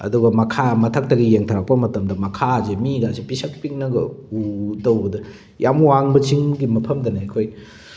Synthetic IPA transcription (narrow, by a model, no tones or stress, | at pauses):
ɐ̰duɡɐmɐkʰamɐtʰɐk̚tɐɡijeŋtʰɐɾak̚pɐmɐtɐmdɐmɐkʰazemiɡasipisɐk̚piŋnɐɡɐ̰utɐwbɐdɐ | jʔamuaŋbɐt͡ʃiŋɡimɐpʰɐmdɐnakʰoj